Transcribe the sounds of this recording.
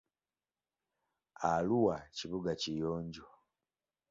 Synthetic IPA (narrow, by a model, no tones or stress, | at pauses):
aluwaciβuɡacijoːɲɟuwa